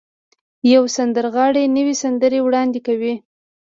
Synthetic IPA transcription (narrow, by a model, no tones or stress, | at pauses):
jawsand̪əɾɣɑɽenəwesand̪əɾewɽɑnd̪ɪkawi